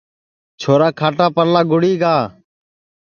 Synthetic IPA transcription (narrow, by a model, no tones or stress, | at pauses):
t͡ʃʰoːɾaːkʰaːʈaːpəɾlaːɡʊɽiːɡaː